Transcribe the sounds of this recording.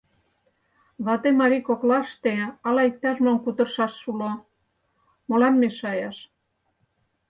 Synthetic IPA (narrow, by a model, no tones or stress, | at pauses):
βɑt̪emɑɾikoklɑʃt̪eɑlɑik̚t̪ːɑʃmonkut̪ə̆rʃɑʃːulo | molɑmːeʃɑjɑʃ